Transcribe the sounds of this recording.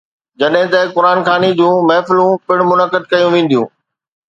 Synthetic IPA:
d͡ʑɐɗɦɪ̃t̪ɐkʊɾaːnxaːnid͡ʑũːmɛːfɪlũpɪɽ̃mʊnəkəd̪̚kɐjũʋẽːn̆d̪jũː

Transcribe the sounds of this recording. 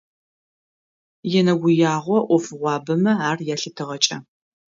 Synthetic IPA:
jɛnɐɡʷʊjaːʁʷɔʔʷɔfɨʁʷɑːbɐmɐaːrjaːɬɨtʰɨʁɐt͡ʃʼɐ̰

